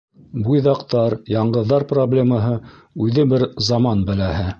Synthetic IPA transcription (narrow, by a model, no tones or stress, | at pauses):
bujðɑqt̪ɑɾjɑɴɢɤ̆ðːɑɾproblʲemɑɦɤ | ʉðɘbɘɾzɑmɑnbɘ̆læhɘ